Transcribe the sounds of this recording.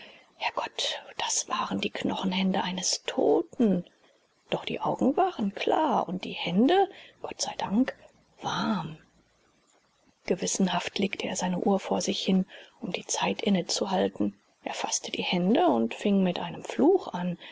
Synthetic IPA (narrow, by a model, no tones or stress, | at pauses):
haɐɡ̥ɔtd̥asv̥aːʁəndiːkʰnɔχn̩hɛndəʔaɪnəstʰo̰ːtn̩ | d̥ɔχd̥ḭːʔaʊɡŋ̩vaːʁənkʰl̥a̰ːɐʔʊ̰nt̚d̥iːhɛndəɡ̥ɔtz̥aɪdaŋk | v̥aɐm | ɡ̥əvɪsn̩ɦaftʰleːktəʔeːɐzaɪnəʔuːɐfoːɐzɪçhɪnʔʊmdiːt͡saɪtʔɪnət͡suɦaltn̩ | ʔḛɐfa̰stəd̥iːhɛndəʊntfɪŋmɪtʔaɪnəmfluːxʔan